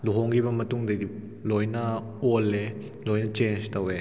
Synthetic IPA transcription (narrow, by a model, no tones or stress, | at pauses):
luɦoŋɡibɐmɐtuŋdejdi | lɔjnɐ | ɔlːe | lɔjnɐt͡ʃenstɐwe